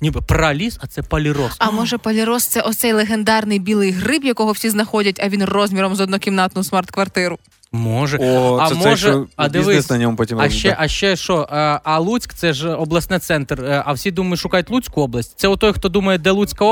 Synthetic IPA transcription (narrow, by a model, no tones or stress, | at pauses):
nʲibɪpɾɐlʲisɐt̪sɛpɐlʲiɾɔsɐmɔʒɛpɐlʲiɾɔst̪sɛʔɔt̪sɛjlˠeɦend̪ɑrnɪjbʲilˠɪjɦrɪpjɐkɔɦɔwsʲiznɐxɔdʲɐtʲɐʋʲinrɔzʲmʲiɾɔmzɔd̪nukʲimnɑt̪nʊsmɑrt̪kʋɐrt̪ɪɾʊ | mɔʒɛɐmɔʒɛɐd̪ɪʋɪsnɐnʲɔmpɔtʲimɐʃt͡ʃɛʔɐʃt͡ʃɛʃɔʔɐlˠut͡sʲkt̪sɛʒɔblˠɐsnɛt̪sɛnt̪rɐwsʲid̪umɐjʃʊkɑjʊtʲlˠut͡sʲkʊɔblˠɐsʲtʲt̪ɛʊt̪ɔjxt̪ɔd̪umɐjɛd̪ɛlˠut͡sʲkɐ